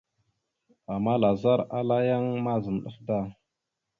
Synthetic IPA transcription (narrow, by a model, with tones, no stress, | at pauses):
a˨ma˦la˨za˦ɾa˦la˦ja˦ŋma˦zə˨mɗə̰˦fda˦˨